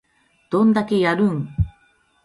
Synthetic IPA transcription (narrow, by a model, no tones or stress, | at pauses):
d̪̥õ̞nd̪ake̞jaɾɯ̟̃ŋ